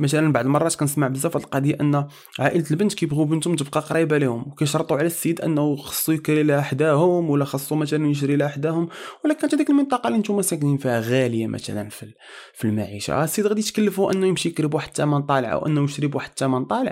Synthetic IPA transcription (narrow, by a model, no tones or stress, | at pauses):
mæt̪ælənbaʕd̪mɑrˤɑt̪kænəsmaʕbəzːæfæt̪lqɑd̪iʔənː | ʕaʔəlt̪əlbənt̪kæjəbɣubənt̪ʊmt̪əb̚qɑqɾˤɑjbælihʊmwkæjʃɾˤt̪ˤːuʕlæsːid̪ʔə̰nːxɑ̥sˤːujəkɾilħd̪æhʊmwəlːæxɑsˤːumæt̪ælənjəʃ̬ɾilħd̪æhʊmwlːækænt̪hæd̪ikəlmənt̪ˤɑqɑliʔənt̪umæsækninfihæɣæləjamʔæ̰t̪æ̰læ̰nfi | filma̰ʕḭʃa̰sːiəd̪ɣæd̪it̪kəlːəfuʔənːujəmʃijəkɾəbwaħəd̪̚t̪ːæmænt̪ˤɑlʕə̰wʔə̰nːujəʃɾibwaħəd̪̥̚t̪ːæmænt̪ˤɑləʕ